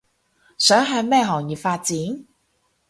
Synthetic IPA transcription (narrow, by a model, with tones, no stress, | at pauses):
sœː˨˥ŋɦɐ˨˧jmɛː˥ɦɔː˨˩ŋjiː˨˩faː˧t̚t͡siː˨˥n